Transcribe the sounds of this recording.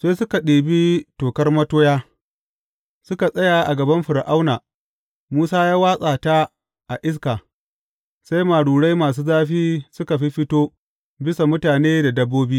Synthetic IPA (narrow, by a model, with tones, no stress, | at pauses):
sa˦sʊ˦ka˨ɗeː˨bi˦toː˨kɐ˦rmɐ˦toː˦jaː˦ | sʊ˦ka˨sʼɐ˦ja˨ʔa˨ɡɐ˨bɐ˦mɸʊ˨ɾʔa˦wnaː˨ | muː˦saː˦jaː˦waː˦sʼaː˨ta˦ | ʔa˨ʔɪ˦s̬kaː˨ | sa˦jmaː˨ɽuː˨ɽa˦jmaː˨s̬uː˦zaː˦ɸiː˦sʊ˦ka˨ɸi˦ɸɪ˦toː˦ | bɪ˦sa˨mʊ˦taː˨neː˦da˨dɐ˦bːoː˦biː˦